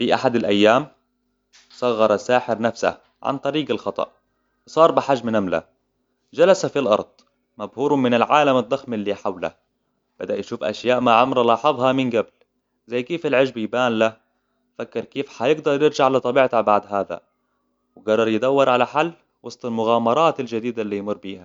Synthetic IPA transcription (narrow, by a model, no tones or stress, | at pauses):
fiʔaħad̪alʔajːaːm | sˤɑɣːɑɾˤɑsaːħɪɾnafsa̰ | ʕa̰nt̪ˤɑɾiːɡɪlxɑt̪ˤɑ̰ʔ | sˤɑːɾˤbɪħaʒːmɪnamla̰ | d͡ʒalasafilʔɑ̰ɾˤd̪̥ˤ | mabhuːɾʊmːɪnɪlʕaːlamɪd̪ˤːɑxmɪlːiːħawla̰ | b̥ad̪aʔjaʃuːfʔa̰ʃjaːʔmaʕʊmɾˤɑlɑːħɑðˤhɑmɪnɡabl | zajːkiːfalʕɪʒbjbaːnla | fakːɪɾˤkiːfħajɪɡd̪ɑɾˤjɪɾd͡ʒaʕalat̪ˤɑbiːʕt̪habaʕd̪ɦaːða̰ | wɡɑrˤːɑɾˤjɪd̪awːɪɾˤʕalaħalː | wɑsˤt̪ˤɪlmʊɣaːmɑɾˤɑːt̪ald͡ʒad̪iːd̪alːiːjmʊrːbiːha